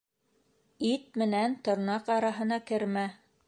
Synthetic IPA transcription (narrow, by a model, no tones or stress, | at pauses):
it̪̚mɘ̆nænt̪ŏɾnɑqɑɾɑɦɤ̆nɑkɘ̆ɾmæ